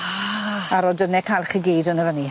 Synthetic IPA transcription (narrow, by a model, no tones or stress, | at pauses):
aɾɔdənɛkʰajlˠχəɡeːdənəvəni